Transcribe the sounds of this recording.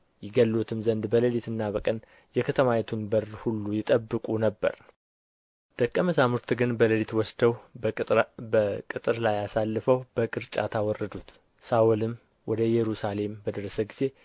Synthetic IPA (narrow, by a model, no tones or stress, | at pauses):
jɪɡəlːot̪ʰɨmzənd̪bələlit̪ɨnːabəkʼən | jɛkʰət̪ʰəmajɛt̪ʰunbəɾːhulːujɪt̪ʼəbːɨkʼunəbːə̰ɾ | d̪̥əkʼːəməsamuɾt̪ɡɨnbələlit̪wɔsd̪əw | əkʼɨt̪ʼɨɾlajasalːɨfəwb̥əkʼɨɾt͡ʃʼa̰t̪ʰawɔrːəd̪ut̪ | saulɨm | wʔɔd̪əjɛɾusale̞mbəd̪əɾəsəɡiz̥e̞